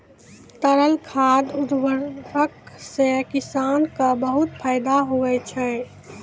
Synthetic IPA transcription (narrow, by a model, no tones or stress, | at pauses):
t̪əɾəlkʰad̪ud̪ʋəəksekɪsankabəɦut̪̚pʰaɪd̪aɦoʋɛt͡ʃʰɛ